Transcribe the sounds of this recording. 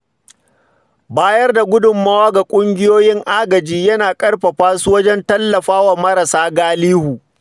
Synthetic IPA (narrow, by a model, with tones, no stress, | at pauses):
baː˦jɐ˦rda˨ɡʷʊ˦dʊ˨mːa˦waː˦ɡa˨kʷʼʊ˦ŋɡʲɪ˦joː˦jɪ˦ŋʔaː˦ɡɐ˨d͡ʒiː˦jɐ˦naː˨kʼɐ˦rɸɐ˨ɸaː˦su˦wɐ˦d͡ʒɛ˦ntɐ˦lːɐ˨ɸaː˦wa˨mɐ˦ɾɐ˨saː˦ɡaː˦liː˦huː˨